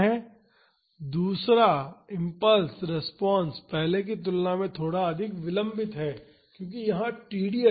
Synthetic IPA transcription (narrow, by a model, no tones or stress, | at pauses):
ɦɛː | d̪uːsɾaɪ̃mpəlsɾɪspɔ̃ːnspɛɦlek̬it̪ʊlnamẽt̪ʰoːɽaɐd̪ʱɪkʋɪlə̃mbɪt̪ɦɛː | kjõːkijɐɦãʈiːɖi